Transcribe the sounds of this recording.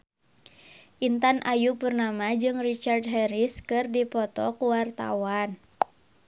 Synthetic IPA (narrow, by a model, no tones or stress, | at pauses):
ʔint̪anʔajupɨrnamad͡ʒɨŋrit͡ʃardɦɛɾiskɨrdipɔt̪ɔ̰kuwart̪a̰wan